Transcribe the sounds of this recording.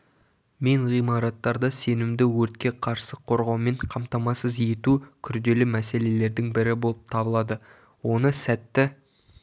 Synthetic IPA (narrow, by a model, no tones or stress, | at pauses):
me̞ɴʁijmɑɾɑt̪ːɑɾd̪ɑse̞nɪmd̪ɪwɵɾt̪̚kʲe̞qʰɑɾsəqʰo̞ɾʁɑwme̞ɴqʰɑmt̪ɑmɑsəzje̞t̪ukʲʰʏɾd̪e̞lɪmæse̞le̞le̞ɾd̪ɪŋbɪɾɪbo̞lˠəp̚t̪ʰɑbəlˠɑd̪ə | wo̞nəsæt̪ːɪ